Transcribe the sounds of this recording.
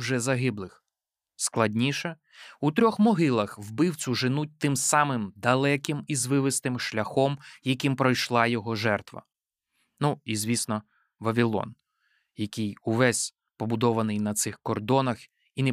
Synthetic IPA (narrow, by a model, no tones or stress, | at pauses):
wʒɛzɐɦɪblˠɪx | sklˠɐdʲnʲiʃɛ | ut̪ɾʲɔxmɔɦɪlˠɐxwbɪwt͡sʲʊʒɪnut̚ʲt̪ɪmsɑmɪmd̪ɐlˠɛkʲɪmizʋɪʋɪst̪ɪmʃlʲɐxɔmjɐkʲimpɾɔjʃlˠɑjɔɦɔʒɛrt̪ʋɐ̰ | nuizʲʋʲisnɔ | ʋɐʋʲilˠɔ̰n | jɐkʲɪjuʋɛsʲ | pɔbʊd̪ɔʋɐnɪjnɐt̪sɪxkɔrd̪ɔnɐx | inɛ